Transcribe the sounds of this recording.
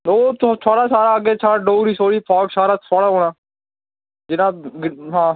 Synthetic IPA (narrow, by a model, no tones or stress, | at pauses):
oːt̪t̪ʰoːɽaːsaːɾaːəɡeːt͡ʃʰaːɽaːɖoːɾiːsoːɽiːpʰaːksaːɾaːt̪ʰoːɽaːɦoːɽaː | d͡ʒɪnãːɡɦãː